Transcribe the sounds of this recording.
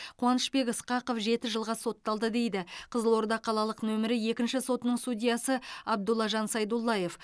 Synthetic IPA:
qʰʊɑnəʃpe̞kʲəsqɑqofʒe̞t̪ɪʒəlˠʁɑso̞t̪ːɑlˠd̪əd̪e̞jd̪ɪqʰəzəlˠo̞ɾd̪ɑqʰːɑlˠɑlˠəqnɵmɪɾɪje̞kʲɪnʃɪso̞t̪ənəɴst̪udʲijɑsəɑb̚d̪ulˠɑʒɑnsɑjd̪ulˠːɑje̞f

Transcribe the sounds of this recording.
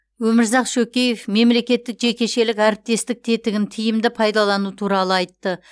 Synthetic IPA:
wɵmɪɾzɑqʃɵkʲe̞je̞fme̞mle̞kʲe̞t̪ːɪkʒe̞kʲe̞ʃe̞lɪkʲæɾɪp̚t̪e̞st̪ɪk̚t̪ʰe̞t̪ɪɡʲɪnt̪ʰijɪmd̪ɪpʰɑjd̪ɑlˠɑnut̪ʰuɾɑlˠəɑjt̪ːə

